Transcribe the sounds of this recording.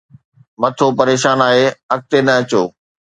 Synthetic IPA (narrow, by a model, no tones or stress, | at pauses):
mɐt̪ʰopɐɾeːʃaːnaːɦeɐk̚t̪enɐɐt͡ɕoː